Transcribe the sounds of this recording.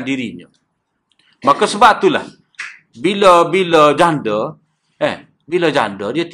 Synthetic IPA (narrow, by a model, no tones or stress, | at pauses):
ndiɾiɲə̰ | makosəbap̚t̪ula̰h | biləbiləd͡ʒandə | eh | biləd͡ʒa̰ndədiət̪